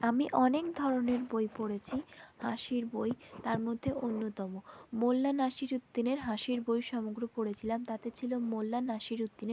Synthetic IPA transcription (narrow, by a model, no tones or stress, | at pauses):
amiʔɔnekd̪ʱɔɾoneɾbojpoɽet͡ɕʰihaʃiɾbojt̪aɾmod̪ʱːeʔonːot̪ɔmomolːanaʃiɾut̪ːineɾɦaʃiɾbojʃɔmoɡɾopoɽet͡ɕʰilamt̪at̪et͡ɕʰilomolːanaʃiɾut̪ːine